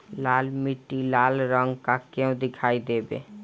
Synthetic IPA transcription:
laːlmiʈːilaːlɾəŋɡkakeũd̪ɪkʰaːid̪ebḛ

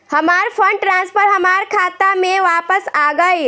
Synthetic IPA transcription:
hɐmaːɾpʰə̃ɳɖʈɾãːnspəɾɦɐmaːɾkʰaːt̪amẽʋaːpəsaːɡəe

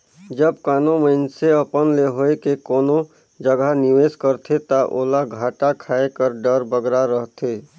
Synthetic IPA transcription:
d͡ʒəb̚kanoməɪnseəpənleɦoekekoːno | d͡ʒəɡaniʋeskəɾt̪ʰet̪əʔo̰laɡʱaʈakʰaekəɾɖəɾbəɡɾaɾəɦt̪ʰe

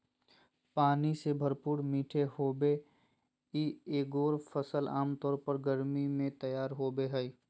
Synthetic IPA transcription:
paːnisebʱəɾpuːɾmiːʈʰehoːbe | ieːɡoːɾpʰəsəla̰ːmt̪ɔːɾpəɾɡəɾmimẽt̪əjaːɾɦoːbeɦɛi

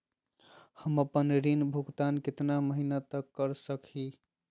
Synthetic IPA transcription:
həməpənɾinbʱuɡt̪ankɪt̪naməɦinat̪əkːəɾsəkʰi

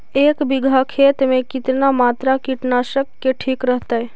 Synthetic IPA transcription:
eːkbiɡʱakʰet̪mekit̪namaːt̪ɾakiʈnaʃəkːeʈʰiːkɾəɦt̪əj

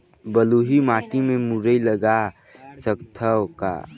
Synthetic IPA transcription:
bəluɦimaːʈimemuɾəiləɡa | səkt̪ʰəwka̰

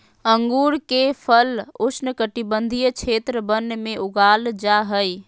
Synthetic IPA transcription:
əŋɡuːɾkepʰəlʊt͡ʃʰnəkəʈibənd̪ʱijt͡ʃʰeːt̪ɾəbənːmẽʔʊɡaːld͡ʒaɦəj

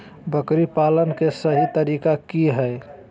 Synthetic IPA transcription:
bəkɾipalənkesəɦit̪əɾikakiɦə

